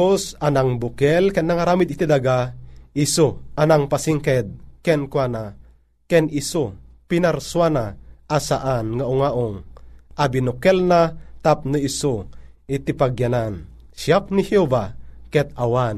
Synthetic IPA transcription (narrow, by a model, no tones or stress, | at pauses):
osanaŋbukɛlkɛnːaŋaɾamid̪it̪id̪aɡaisoanaŋpasiŋkɛd̪̚kɛnkwana | kɛnʔisopinaɾswanaʔasaʔanŋauŋaʔoŋʔabinukɛlnat̪ap̚nɨiso | it̪ipaɡjanan | ʃjap̚niheovakɛt̪̚awan